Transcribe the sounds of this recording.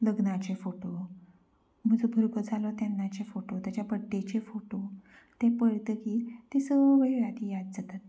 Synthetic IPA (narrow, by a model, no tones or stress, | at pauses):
ləɡnat͡ɕefoʈo | m̤əd͡zubʱəɾɡəd͡zalɔt̪janːat͡ɕefoʈot̪jat͡ɕjapəɖːet͡ɕefoʈo | t̪epəɭt̪əkiːt̪isəʋeɭat̪ijad̪̚d͡zat̪at̪̚